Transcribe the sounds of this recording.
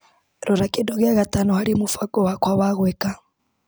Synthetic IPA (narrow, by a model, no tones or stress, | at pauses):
ɾuɾakidoɣiaɣatanɔhaɾimufakʼɔwakwaβaɣweka